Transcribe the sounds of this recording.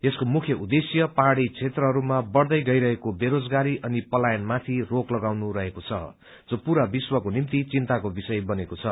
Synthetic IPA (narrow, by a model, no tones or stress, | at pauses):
eskomukʰjʌud̪esjʌpaɽit͡sʰet̪rʌɦʌɾumabʌrd̪ʌjɡʌjɾʌɦekobeɾod͡zɡaɾiʔʌnipʌlajʌnmat̪ʰiroklʌɡawnuɾʌɦekot͡sʰʌ̰ | d͡zopuɾabiswʌkonimt̪it͡sint̪akobisʌjbʌnekot͡sʰʌ